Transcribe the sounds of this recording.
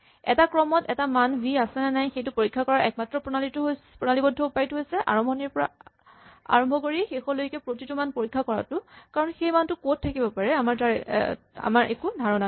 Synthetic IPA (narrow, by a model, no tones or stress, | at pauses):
ɛ̰takɹɔmɔtɛtamanbʱiasɛnanajxejtʊpoɹikʰːakɔɹaʔɛk̚matɹɔpɔnalitʊɦojpɹɔnalibɔdʱːɔʊpajtuɦojsɛʔa̰ɹɔmbʱɔniɹpɔɹa̰ | a̰ɹɔmbʱɔkoɹixexɔlojkɛpɹotitumanpoɹikʰːakɔɹa̰tʊkaɹɔnxejmantʊkot̚tʰːakibɔpaɹɛamaɹtaɹ | a̰maɹʔekudʱaɹɔna